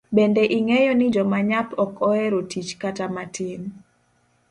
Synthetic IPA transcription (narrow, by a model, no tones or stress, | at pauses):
bendeʔiŋejɔnɪd͡ʒɔmaɲapɔkʰɔɛɾotit͡ʃkatamatɪn